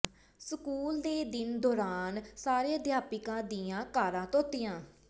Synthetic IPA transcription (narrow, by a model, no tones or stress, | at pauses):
səkuːld̪eːd̪ɪnd̪ɔːɾaːnsaːɾeːd̪jaːpɪkãːd̪iːãːkaːɾãːt̪õːt̪ɪjãː